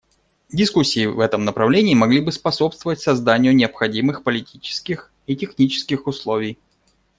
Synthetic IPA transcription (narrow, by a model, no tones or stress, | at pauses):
dʲɪskusʲːiːvɛt̪əmnəpɾɐvlʲenʲɪːmɐɡlʲibɨspɐso̞pst̪vəvətʲsɐzd̪anʲɪjʊnʲɪəpxɐdʲimɨxpəlʲɪtʲit͡ɕɪ̥skʲɪx | itʲɪxnʲit͡ɕɪ̥skʲɪxʊslˠo̞vʲɪj